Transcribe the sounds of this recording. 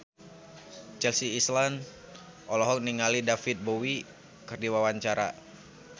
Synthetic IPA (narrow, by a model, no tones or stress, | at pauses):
t͡ʃɛlsiːslan | ʔɔlɔɦɔk̚niŋalidafit̪̚bowi | kərdiwawaɲt͡ʃaɾa̰